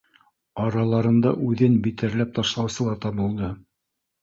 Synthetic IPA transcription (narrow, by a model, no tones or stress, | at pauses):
ɑɾɑlˠɑɾɤ̆nd̪ɑʔʉðɘnbit̪ɘ̆ɾlæp̚t̪ɑʃlˠɑwsɤ̆lˠɑɾt̪ɑβɤ̆lˠd̪ɤ